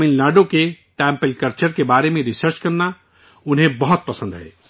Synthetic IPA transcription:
inlaɖokeʈampelkəɾt͡ʃəɾkebaːɾemẽɾisəɾt͡ʃkəɾna | ʊnɦẽbəɦɔt̪̚pəsə̃nd̪ɦḛ

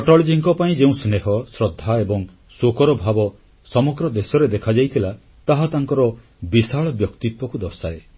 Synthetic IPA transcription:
pɔʈɔlid͡ʒiŋkɔpaĩd͡ʒeũsneɦɔsɾɔd̪ʱːaebɔŋ | sokɔɾɔbʱabɔ | sɔmɔɡɾɔd̪esɔɾed̪ekʰad͡ʒajt̪ʰila | t̪aɦat̪aŋkɔɾɔ | bisaɭɔbjɔkt̪it̪wɔkud̪ɔsaɾe

